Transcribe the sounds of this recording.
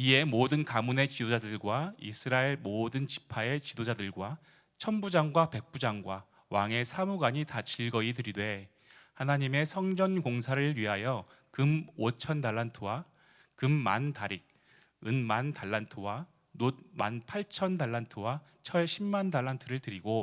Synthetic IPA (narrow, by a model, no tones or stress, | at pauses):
ie̞modɯnkamune̞t͡ɕidod͡ʑadɯɭɡwaḭsʰɯɾaeɭmodɯnt͡ɕi̥pʰae̞t͡ɕidod͡ʑadɯɭɡwa | t͡ɕʰʌnbud͡ʑaŋɡwape̞k̚p͈ud͡ʑaŋɡwa | waŋe̞sʰamuɡaɲitat͡ɕiɭɡʌitɯɾidwe̞ | hanaɲime̞sʰʌŋd͡ʑʌnkoŋsʰaɾɯɭɥiɦajʌ | kɯmot͡ɕʰʌndaɭːantʰɯwa | kɯmːantaɾik̚ | ɯnmantaɭːantʰɯwa | not̚ma̰npʰaɭt͡ɕʰʌndaɭːantʰɯwa | t͡ɕʰʌɭɕʰimːandaɭːantʰɯɾɯɭtɯɾiɡo